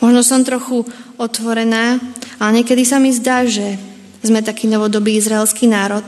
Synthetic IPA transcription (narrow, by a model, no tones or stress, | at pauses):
mɔʒnɔsɔmt̪ɾɔxuɔt̪ʋɔɾɛnaːaɲɛkɛd̪isamizd̪aːʒɛ | zmɛt̪akiːnɔʋɔd̪ɔbiːizɾaɛlskiːnaːɾɔt̪